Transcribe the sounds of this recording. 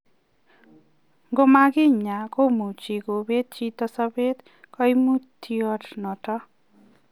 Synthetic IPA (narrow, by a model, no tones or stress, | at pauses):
ɡomaɡiɲakomut͡ʃiɡobet̪̚t͡ʃit̪ʌsʌbet̪ | kʌjmut̪ʰːiʌʈʰnʌʈʌ